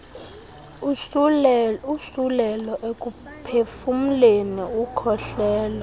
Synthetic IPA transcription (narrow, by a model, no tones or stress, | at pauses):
usulɛlɔʔek̬ʼu | pʰefum̩leniukʰɔɬɛːla